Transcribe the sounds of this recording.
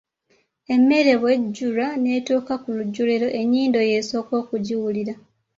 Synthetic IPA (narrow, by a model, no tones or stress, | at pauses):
e̞mːe̞ɾe̞βwe̞ɟːuɾane̞ːtuːkakuluɟːuleɾo̞ʔe̞ɲːiːndo̞je̞so̞ːko̞ːkuɟiwuliɾa